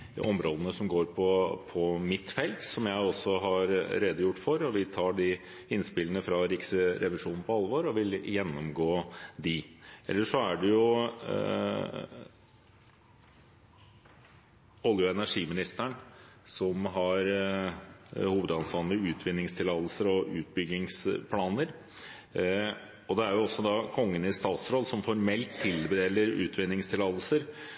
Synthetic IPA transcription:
ɔmɾoːd̪ənəsɔmɡoːɾpʰɔpʰɔmɪt̪ːfɛlt̪sɔmjæɪɔsːɔɦɑɾɾeːd̪əjʊʈːfɔɾɔʋɪt̪ʰɑːɖɪ | ɪnspɪlənəfɾɑɾɪksəɾʔɛʋɪʂuːnn̩pʰɔɑlʋoːɾɔʋɪljɛnːɔmɡoːd̪ɪʔɛ̰lːəʂɔæɖɛjʊ | ɔljʊɛnæʂiːmɪnɪst̪æɳsɔmɦɑɾ | huːʋəd̪ɑnsɑnəʉːt̪ʰʋɪnːɪŋst̪ʰɪlɑːd̪l̩səɾɔʔʉːt̪̚bʏɡɪŋspʰlɑːnəɾ | ɔd̪ɛæɾjʊɔsːɔd̪ɑkʰɔŋːənɪst̪ɑːt̪sɾɔːlsɔmfɔɾmɛlt̪ʰːɪlbəd̪eːləɾʉ̰ːt̪ʰʋɪnːɪŋst̪ʰɪlɑːd̪l̩səɾ

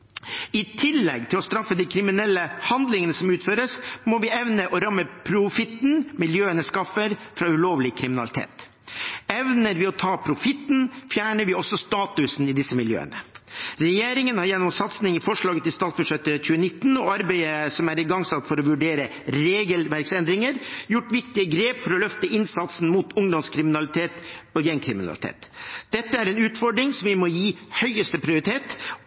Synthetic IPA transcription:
ɪt̪ʰɪlːɛ̰ɡt̪ʰɪlɔst̪ɾɑfːəd̪iɪkʰɾɪmɪnɛlːəhɑnd̪lɪŋənəsɔmʉːt̪føːɾəsmɔʋɪɛʋnəʔɔɾɑmːəpʰɾʊfɪt̪ːnmɪljøːənəskɑfəɾfɾɑːʉloːʋlɪkʰɾɪmɪnɑlɪt̪ʰḛːt̪ | ɛʋnəɾʋɪɔt̪ʰɑːpʰɾʊfɪt̪n̩fjæːɳəɾʋɪɔsɔst̪ɑːt̪ʉsn̩ɪd̪ɪsəmɪljø̰ːə̰nəɾɛjeːɾɪŋənhɑɾjɛnːɔmsɑt̪snɪŋɪfɔʂɭɑːɡət̪ɪst̪ɑːt̪sbʉʂɛt̪ːəc͡çʉːənɪt̪ːn̩ɔɑɾbæɪəsɔmæɾɪɡɑŋsɑt̪ːfɔɾɔʋʉɖeːɾə | ɾeːɡəlʋæɾksɛnd̪ɾɪŋəɾjʊʈːʋɪkt̪ɪəɡɾeːpfɔɾɔlœft̪əɪnsɑt̪sn̩muːt̪ʊŋd̪ɔmskʰɾɪmɪnɑlɪt̪ʰeːt̪ɔjɛnkʰɾɪmɪnɑ̰lɪt̪ʰḛːt̪d̪̥ɛt̪ːəæɾɛnʉːt̪fɔɖɾɪŋsɔmʋɪmɔjiːhœʏəst̪əpʰɾɪʊɾɪt̪ʰeːt̪

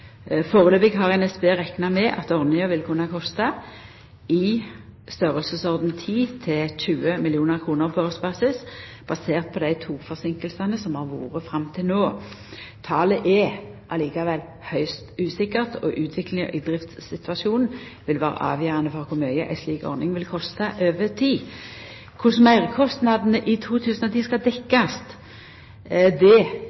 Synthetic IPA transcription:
foːʁəløːbɪɡɦɑʁɛnɛsbeːʁɛknɑmɛʔɑt̪ɔʁnɪəʋɪlkʰʉnːɑkʰɔst̪ɑ | ɪ | st̪œʁəlsəsɔʁd̪n̩t̪ʰiːt̪ʰɪçʉːəmɪlɪuːnəʁkʰʁuːnəʁpʰɔøsbɑːsɪs | b̥ɑseːʁt̪̚pʰɔd̪æɪt̪ʰuːfɔʁsɪŋkəlsɑnəsɔmhɑʁʋṵːʁəfɾɑmt̪ʰɪlnoː | t̪ʰɑːləʔɛʔɑliːkɑʋɛl | hœʏst̪ʉːsɪkːəʁt̪ʰɔʔʉːt̪ʰʋɪklɪŋə̰ʔɪd̪ʁɪft̪ssɪt̪ʉɑʂuːnn̩ʋɪlʋæːʁə̰ʔɑ̰ːʋjœːɾɑnəfɔʁkʰʊmœʏəʔæ̰ɪsliːkɔ̰ʁnɪŋʋɪlkʰɔst̪ɑʔøːʋət̪ʰiː | kʰʊsmæɪʁkʰɔst̪nɑd̪nəʔɪt̪ʰuːt̪ʰʉːsn̩ɔt̪ʰiːskɑd̪ɛkːɑst̪ | d̪ɛ

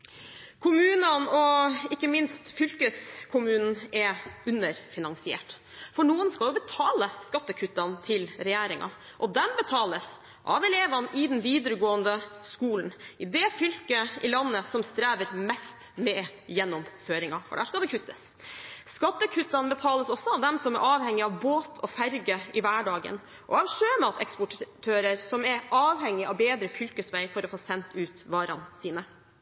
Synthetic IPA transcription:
kʰʊmʉːnənɔɪkːəmɪnst̪fʏlkəskʰʊmʉːnn̩ɛʉnəɾfɪnɑŋsɪɛ̰ːʈ | fɔɳuːənskɑljʊbət̪ʰɑːləskɑt̪ːəkʰʉt̪ːɑnt̪ʰɪlɾɛjæːɾɪŋʔɑ̰ | ʔɔd̪ɛmbət̪ʰɑːləs | ʔɑ̰ʋɛleːʋɑnʔɪd̪ɛnʋiːd̪əɾəɡoːənd̪əskuːln̩ɪd̪ɛfʏlkəɪlɑnːəsɔmst̪ɾæːʋəɾmɛst̪mɛjɛnːɔmføːɾɪŋɑfɔ̰ɖæːʂkɑld̪ɛkʰʉt̪ːəs | skɑt̪ːəkʰʉt̪ːɑnbət̪ʰɑːləsɔsːɔɑʋd̪ɛmsɔmæ̰ɾʔɑːʋhɛŋːɪɑʋboːt̪ʰɔfæɾɡəɪʋæːɖɑːɡə̰n | ʔɔ̰ɑʋʂøːmɑt̪ʰɛkspʊʈʈʰːøːɾəɾsɔmɛɾʔɑːʋhɛŋːɪɑ̰ʋbeːd̪ɾəfʏlkəsʋæɪfɔɾɔfoːsɛnt̪ʉːt̪ʋɑːɾɑ̰nsiːnə

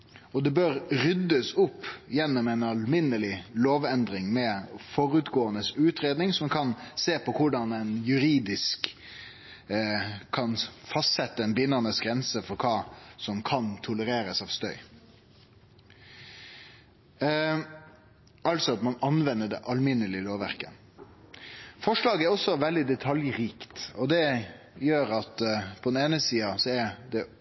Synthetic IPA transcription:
ɔd̪ɛbøɾɾʏd̪ːəsʊpːjɛnːɔmɛnɑlmɪnəlɪloːʋɛnd̪ɾɪŋmɛfɔɾʉt̪ɡoːənəsʉːt̪ɾeːd̪nɪŋsɔmkʰɑnseːpʰɔkʰʊɖɑnɛnjʉɾiːd̪ɪsk | ɑnfɑst̪sɛt̪ːəɛnbɪnːənəsɡɾɛnsəfɔɾkʰɑːsɔmkʰɑnt̪ʰʊləɾeːɾəsɑːʋst̪œʏ | ɑlt̪sɔɑt̪mɑnɑnʋɛnːəɖɛ̰ʔɑlmɪnːəlɪloːʋæɾkə̰n | fɔʂɭɑːɡæɾɔsːɔʋɛld̪ɪd̪ɛt̪ʰɑljɾiːkt̪ɔd̪ɛ | jøːɾɑt̪pʰɔd̪ɛneːnəsiːɑsɔæɾd̪ɛ

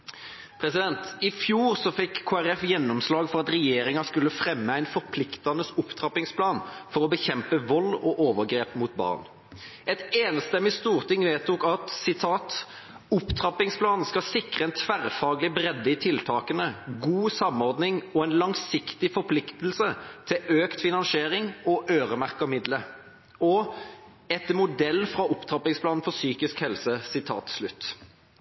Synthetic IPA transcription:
pʰɾɛsɪd̪ɛnt̪ɪfjuːʁsɔfɪkʰːoːæʁɛfjɛnːɔmslɑːɡfɔʁɑt̪ʁɛjeːɾɪŋɑskʉlːəfɾɛmːəæɪnfɔʁpʰlɪkt̪ɑnəsʊpt̪ʰʁɑpɪŋspʰlɑːnfɔʁɔbəçɛmpəʋɔlɔʔoːʋəʁɡɾeːpmut̪bɑ̰ːʁn | ɛt̪eːnst̪ɛmːɪst̪uːʁt̪ʰɪŋʋeːt̪ukɑt̪sɪt̪ʰɑːt̪ | ʊpːt̪ʰɾɑpɪŋspʰlɑːn̩skɑsɪkʁəɛnt̪ʰʋæʁfɑːɡlɪbɾɛd̪ːəɪt̪ʰɪlt̪ʰɑːkənəɡuːsɑmɔʁd̪nɪŋɔɛnlɑŋsɪkt̪ɪfɔpʰlɪkt̪əl̩sət̪ʰɪʔøːkt̪fɪnɑnseːɾɪŋɔʔøːʁəmæʁkɑmɪd̪lə | ɔ | ɛt̪mʊd̪ɛlːfʁɑʊpt̪ʰʁɑpɪŋspʰlɑːnn̩fɔsyːkɪskhɛlsəsɪt̪ʰɑ̰ːt̪slʉt̪ː

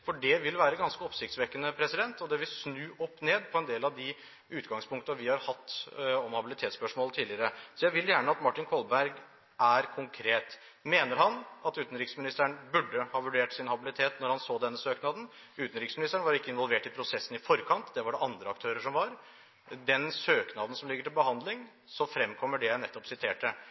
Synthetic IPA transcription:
fɔɖɛʋɪlʋæːɾəɡɑnskəɔpsɪkt̪sʋɛkːənəpʰɾɛsɪd̪ɛnt̪ɔd̪ɛʋɪlsnʉːʔɔpːneːd̪pʰɔɛnd̪eːlɑʋd̪ɪ | ʉːt̪ɡɑŋspʰʊŋkt̪əʋɪhɑɾhɑt̪ːɔmhɑbɪlɪt̪ʰeːt̪spœʂmoːlt̪ʰiːdlɪəɾəsɔjæɪʋɪljæːɳəɑt̪mɑʈɪnkʰɔlbæɾɡ | ʔæɾkʰʊŋkʰɾeːt̪ | meːnəɾhɑnɑt̪ʉːt̪n̩ɾɪksmɪnɪst̪əɳbʉɖːəhɑːʋʉɖeːʈsɪnhɑbɪlɪt̪ʰeːt̪nɔɾhɑnsoːd̪ɛnːəsøːknɑːd̪n̩ | ʉːt̪nɾɪksmɪnɪst̪əɳəʋɑɾɪkːəɪnʋɔlʋeːʈɪpʰɾʊsɛsːnɪfɔɾkʰɑnt̪d̪ɛʋɑɖɛʔɑnd̪ɾəɑk̚t̪ʰøːɾəʂɔmʋɑɾ | d̪ɛnsøːknɑːd̪n̩sɔmlɪɡːəʈɪlbəhɑnd̪lɪŋ | sɔfɾɛmːkʰɔmːəɖɛjænɛt̪ːɔpsɪt̪ʰeːʈə

